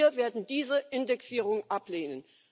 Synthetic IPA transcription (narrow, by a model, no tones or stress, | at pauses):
ɐveːɐdn̩diːzəʔɪndɛksiːʁ̞ʊŋʔapleːnən